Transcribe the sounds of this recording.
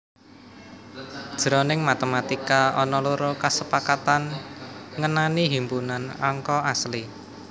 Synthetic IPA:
d̥ʒ̥ɾɔnɪŋmat̪əmat̪ikaɔnɔluɾokasəpakat̪an | ŋənaniɦimpunanɔ̰ŋkɔasli

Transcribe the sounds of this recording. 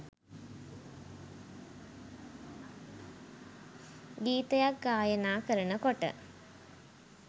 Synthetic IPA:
ɡiːt̪əjak̚ɡaːjənaːkəɾənəkoʈə̰

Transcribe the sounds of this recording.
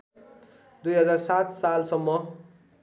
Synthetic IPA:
d̪ujɦʌd͡zarsat̪salsʌmːʌ

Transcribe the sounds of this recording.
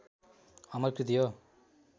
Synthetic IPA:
ɐmɐɾkɾɪt̪̬ijoː

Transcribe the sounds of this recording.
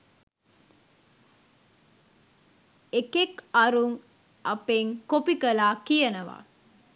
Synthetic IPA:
ekekɐɾuŋ | ɐpeŋkopikəlaːkijɐnəʋa̰ː

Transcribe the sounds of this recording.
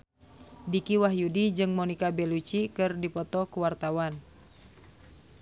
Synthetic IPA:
dikiwaɦjudid͡ʒɨŋmɔnikabɛlut͡ʃikɨrdipɔt̪ɔkuwart̪awan

